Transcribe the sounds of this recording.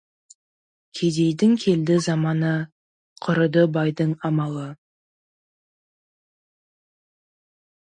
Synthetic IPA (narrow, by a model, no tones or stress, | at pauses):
kʲʰe̞d̪e̞jd̪ɪŋkʲʰe̞ld̪ɪzɑmɑnə | qʰʊɾəd̪əbɑjd̪əɴɑmɑlˠə